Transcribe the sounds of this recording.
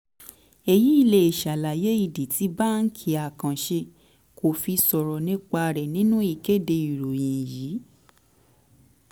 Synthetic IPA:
e˨ji˨˦i˦˨le˧e˨ʃa˨la˨je˦i˨di˨ti˨˦ba˦n̩˦kʰi˧a˨kã˨ʃe˧ | ko˨fi˧sɔ˨ɾɔ˨nĩ˦k͡pa˧ɾɛ˨nĩ˦nũ˦i˦˨ke˦de˧i˨ɾo˨j̃ĩ˨jiː˨˦

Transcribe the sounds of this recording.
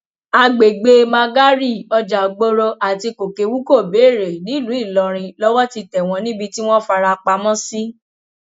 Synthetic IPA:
a˧ɡ͡be˨ɡ͡be˧mã˧ɡa˦ɾi˦˨ɔ˧d͡ʒa˨ɡ͡bo˦ɾɔ˧ʔa˨ti˧ko˨ke˧wu˦ko˦˨be˨˦˨ɾe˨nĩ˨˦˨lũ˨˦i˦˨lɔ˨ɾ̃ĩ˧lɔ˦wɔ˦ti˧tɛ˨w̃ɔ̃˧nĩ˦bi˧ti˦w̃ɔ̃˦fa˧ɾa˧k͡pa˧mɔ̃˦si˦

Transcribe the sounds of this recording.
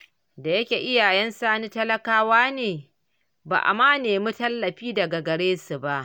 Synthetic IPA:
da˨jɐ˦kʲeː˨ʔɪ˦jaː˨jɛ˦nsaː˦ni˦tɐ˦lɐ˦kaː˦waː˦neː˨ | ba̰ː˨ʔa̰˨maː˦neː˨mu˦tɐ˦lːɐ˨ɸiː˦dɐ˨ɡa˨ɡɐ˨ɽeː˦su˨ba˦ʔ

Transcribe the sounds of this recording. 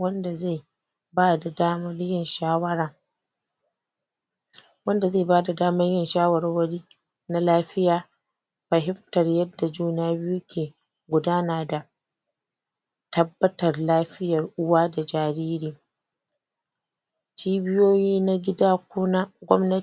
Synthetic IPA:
wɐ˦nda˨ze˦˨ | baː˦da˨daː˦mɐ˦rjɪ˦nʃaː˦wɐ˦ɽɐ˨ŋ | wɐ˦nda˨ze˦˨baː˦da˨daː˦mɐ˦rjɪ˦nʃaː˦wɐ˨rwɐ˦ɽiː˦ | na˦laː˦ɸɪ˦jaː˨ | ɸɐ˨ɦɪ˦mtɐ˨rjɐ˦dːa˨d͡ʒuː˦naː˦bɪ˦ju˦kʲʰeː˨ | ɡʷʊ˨daː˦naː˨da˨ | tɐ˦bːɐ˦tɐ˨rlaː˦ɸɪ˦jɐ˨rʔʊ˦waː˦da˨d͡ʒaː˨ɾiː˦ɾiː˨ | t͡ʃiː˦bɪ˦joː˦jiː˦na˦ɡʲɪ˦daː˦kʷʊ˦na˦ɡʷɔ̰˦mnɐ˦

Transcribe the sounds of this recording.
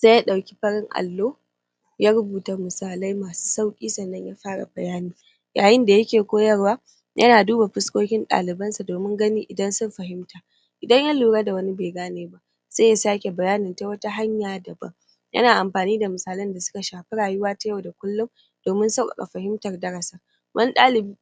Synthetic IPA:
z̥a˦ja˦ɗa˨wkʲi̥˦ɸɐ˦ɽɪ˦ŋʔa̰˨lːoː˦ | jaː˦ɾʊ˦buː˨ta˨mʊ˨saː˨lɐ˦jmaː˨su̥ː˦sa˦wkʲʼiː˦sɐ˨nːɐ˦ɲja˦ɸaː˦ɽa̰˨bɐ˨jaː˦niː˨˦ | jaː˨jɪ˦nda˨jɐ˦kʲeː˨kʷoː˦jɐ˦rwaː˦ | jʔɐ̰˦naː˨duː˦ba˨ɸɪ˦skʷoː˦kʲɪ˦nɗa̰ː˨lɪ˨bɐ˦nsa˨doː˨mɪ˦ŋɡɐ˦niː˦ʔɪ˨dɐ˦nsʊ˦mɸɐ˨ɦɪ˦mtaː˨ | ʔɪ˨dɐ˦ɲja˦luː˨ɽaː˦da˨wɐ˦ni˦beː˨ɡaː˦neː˦ba˦ʔ | saː˦ja˨saː˦kʲe˨bɐ˨jaː˦nɪ˨nta˦wɐ˦ta˦ɦa˦ɲjaː˨dɐ˨bɐ̰˦ŋ | jʔɐ̰˦naː˨ʔa˨mɸaː˨niː˦da˨mʊ˨saː˨lɐ˦nda˨sʊ˦ka˨ʃaː˨ɸe˦ɽaː˨jʊ˦waː˦ta˦ja˦˨wda˨kʷʊ˦lːʊ˦m | d̥oː˨mɪ˦nsa˦kʼa̰˨kʼa̰˨ɸɐ˨ɦɪ˦mtɐ˨rdɐ˦ɽɐ˨saː˨ | wɐ˦n˦ɗaː˦lɪ˨b

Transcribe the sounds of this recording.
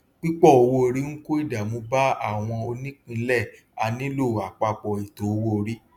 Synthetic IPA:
k͡pi˦k͡pɔ˦˨o˧wo˧˦˧ɾi˦ŋ̩˦ko˦i˦˨da˨mõ˧˦ba˦a˦˨w̃ɔ̃˧o˧nĩ˦k͡pĩ˧˦lɛ˦˨ | a˧nĩ˦lo˦˨a˨k͡pa˧k͡pɔ˨i˨to˨˦o˧wo˦˨ɾi˦

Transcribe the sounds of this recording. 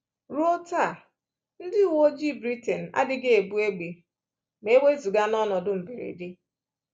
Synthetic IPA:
ɾo˦ta˦˨ | n̩˦dɪ˦˨wo˦d͡ʒi˦˨bɾi˦te˨n̩˨a̰˦dɪ˨ɡe˦e˨bu˦e˦ɡ͡be˨ | me˦we˦zu˨ɡa˦nɔ˦nɔ˨dʊ˦m̩˨bi˨ɾḛ˨di˦

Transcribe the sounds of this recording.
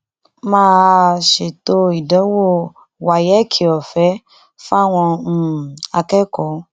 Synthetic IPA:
mãː˦˧ʃe˨to˧˦i˨dɔ˨˦wo˦˨ | wa˨jɛ˨˦kʰi˨ɔ˨fɛ˨˦ | fa˦˨w̃ɔ̃˧˨a˧kɛ˦kɔ˨˦

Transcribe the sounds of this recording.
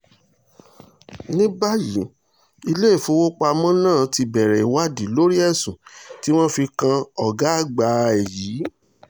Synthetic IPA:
nĩ˦ba˦ji˨˦ | i˧le˦i˦˨fũ˨˦wo˦k͡pa˧mɔ̃˦nãː˦˨ti˧bɛ˨ɾɛ˨i˨wa˦˨di˨˦lo˦ɾi˦ɛ˦˨sũ˨ti˦w̃ɔ̃˦fi˧kã˧ɔ˨ɡa˨˦a˦˨ɡ͡ba˨˦ɛ˨jiː˨˦

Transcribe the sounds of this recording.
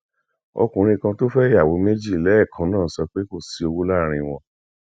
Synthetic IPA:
o̰˧kũ˨ɾ̃ĩ˧˨kã˧to˦fɛ˦i˦ja˨wo˨˦me˦d͡ʒi˦˨lɛ˨˦ɛ˦˨kʰã˨˦nãː˦˨˦sɔ˧k͡pe˦ko˦˨si˧o˧wu˦la˦˨ɾ̃ĩ˧w̃ɔ̃˧

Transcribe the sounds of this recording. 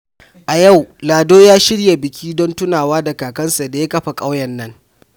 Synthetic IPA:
ʔa˨ja˦˨wlaː˨doː˦jaː˦ʃɪ˦ɽja˨bɪ˨kʲʰiː˦dɔ˦ntʊ˦naː˨waː˦da˨kaː˨kɐ˦nsa˨da˨ja˦kɐ˦ɸa˨kʼa˦wjɐ˨nːɐ˦ŋ

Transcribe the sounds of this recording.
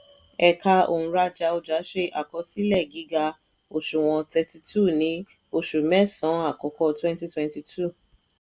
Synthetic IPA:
ɛ˧˨ka˧õ̰˨˧ɾa˧d͡ʒa˧o˧d͡ʒa˨˦ʃe˧ʔa˨kɔ˨˧˦si˦lɛ˦˨ɡi˨˦ɡa˧ | o˧ʃu˨w̃ɔ̃˧tɛ˧ti˧tʰu˦˨nĩ˨˦ | o˧ʃu˨mɛ̃˦sɔ̃˨˦a˦˨kɔ˨˧˦kɔ˧twɛ̃˦n˦ti˧twɛ̃˧nti˧tʰu˦˨

